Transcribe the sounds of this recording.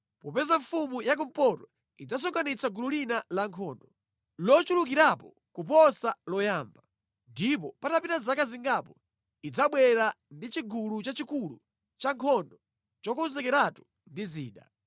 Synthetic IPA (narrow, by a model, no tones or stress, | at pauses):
pɔpɛzaɱfumujak̬um̩pɔtɔ | id͡zas̬ɔŋkanit͡saɡululinalaŋkʰɔndɔ | lɔt͡ʃuluk̬iɾapɔ | kup̬ɔsalɔjaːmba | ndip̬ɔpatapitazakaziŋɡapɔ | id͡zaɓwɛɾa | ndit͡ʃiɡulut͡ʃat͡ʃikulṵ | t͡ʃaŋkʰɔndɔ | t͡ʃɔkɔnzɛkɛɾatu̥ | ndizḭːɗa̰